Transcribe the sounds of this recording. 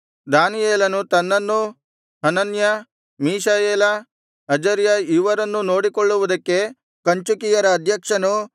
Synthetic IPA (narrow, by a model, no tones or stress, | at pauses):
d̪aːnijeːlɐnut̪ɐnːɐnːu | ɦɐnɐnjɐ | miːʃaːjeːlɐ | ɐd͡ʒɐɾjɐiʋɐɾɐnːuno̞ːɽikoɭːuʋud̪ɐkːe̞ | kɐɲt͡ʃukijɐɾɐːd̪ʱjɐkʂɐnu